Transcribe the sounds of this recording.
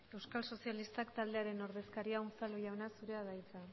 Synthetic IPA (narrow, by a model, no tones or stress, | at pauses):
e̞wskalso̞sialist̪akt̪ald̪eaɾe̞no̞ɾð̞e̞skaɾiaumt͡salujawnasuɾe̞aðajt͡sa